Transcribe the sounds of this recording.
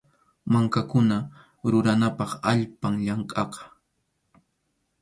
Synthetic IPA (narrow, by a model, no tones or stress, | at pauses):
maŋkakʊna | ɾʊɾanapɑχaʎpaŋʎɑɴqʼɑqɑ̥